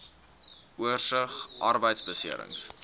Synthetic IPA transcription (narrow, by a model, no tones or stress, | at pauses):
uərsəχʔɐrbəjtsbəsiəɾə̰ŋs